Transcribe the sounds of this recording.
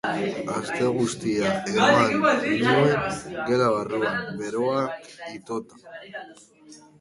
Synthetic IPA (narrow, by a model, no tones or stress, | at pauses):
ast̪e̞ɣust̪iaeɾoaninue̞ŋɡe̞ɾaβ̞aruambe̞ɾo̞akit̪o̞t̪ḁ